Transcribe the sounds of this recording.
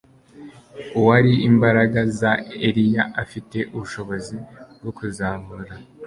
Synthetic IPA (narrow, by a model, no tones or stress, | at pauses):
uwaɾiimbaɾaɡazaeɾijaʔafite̞ʔuβuʃo̞βo̞zibɡokuzaːmuɾa